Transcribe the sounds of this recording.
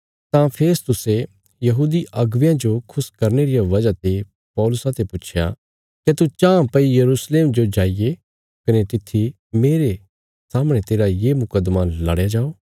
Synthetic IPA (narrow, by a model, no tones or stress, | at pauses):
t̪ãpʰeːst̪ʊse | jɐɦuːd̪iʔɐɡʋjãd͡ʒokʰʊskɐɾneɾijaʋɐd͡ʒat̪e | pɔːlʊsat̪ʰepʊt͡ʃʰja̰ | ket̪ut͡ʃãːpɐijɐɾuːsleːmd͡ʒod͡ʒaːije | kɐnet̪ɪt̪ʰːi | meːɾe | saːmɽ̃et̪eːɾajeːmʊkəd̪malɐɽjad͡ʒaːoː